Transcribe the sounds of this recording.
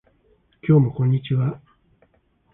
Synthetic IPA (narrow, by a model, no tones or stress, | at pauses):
kʲo̞ːmo̞kõ̞ɲ̟ːit͡ɕiβa